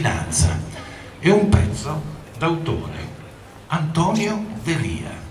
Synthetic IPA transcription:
ina̰nt̪sa̰ | ɛumpɛt̪sːod̪awt̪o̰ːɾḛ | ant̪ɔːnjod̪eriːa̰

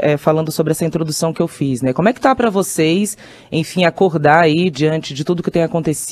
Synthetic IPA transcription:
ɛfalɐ̃nd̪ʊsobɾɪɛsɐĩt̪ɾod̪usɐ̃w̃kɪewfiznɛkõmʊɛkɪ̥t̪apɾɐvosejs | ẽj̃fĩakoɾd̪aɾaid͡ʒiɐ̃nt͡ʃɪd͡ʒɪt̪ud̪ʊkɪt̪ẽj̃akõnt̪es

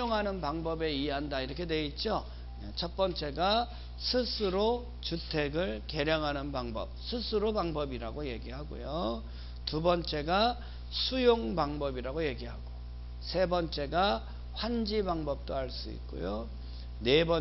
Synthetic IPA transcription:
oŋɦanɯnpaŋbʌbe̞ieɦandaiɾʌkʰe̞dwe̞it̚t͡ɕ͈o | t͡ɕʰʌt̚p͈ʌnt͡ɕ͈e̞ɡa | sʰɯsʰɯɾo | t͡ɕutʰe̞ɡɯɭke̞ɾjʌŋɦanɯnbaŋbʌ̰p̚sʰɯsʰɯɾobaŋbʌbiɾaɡoje̞ɡiɦaɡo̰jo | tubʌnt͡ɕ͈e̞ɡa | sʰujoŋbaŋbʌbiɾaɡoje̞ɡiɦaɡo | sʰe̞bʌnt͡ɕ͈e̞ɡa | ɸwand͡ʑibaŋbʌp̚t͈oaɭs͈uḭt̚k͈o̰jo | ne̞bʌ

